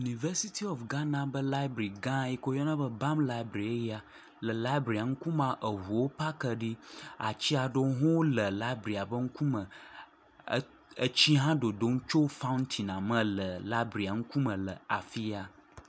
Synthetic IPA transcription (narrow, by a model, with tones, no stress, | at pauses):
ju˨ni˨və˦si˦t̪ʰi˦ɔ˨fɡã˦nã˦bə˦la˦i˦bɾi˨ɡã˦ji˦ko˦jɔ˦nã˦bə˦ba˦mla˦i˦bɾi˨e˦ja˨ | lə˨la˦i˦bɾi˨a˨ŋ̩˦ku˦mã˦ʔə˨ɦu˨wo˦pa˦kə˨ɖi˦a̰˨t͡ɕi˦a˨ɖo˦ɦɔ̃˦wo˦lə˨la˦i˦bɾi˨a˨bə˦ŋ̩˦ku˦mə̃˨˦ | ə˦t͡ɕi˦ɦã˦ɖo˨do˦ŋ̩˦t͡ʃo˦wfa˦ũ˦nt̪ʰi˨nã˨mə̃˨lə˨la˦bɾi˨a˨ŋ̩˦ku˦mə̃˨lə˨a˨fi˦ja˨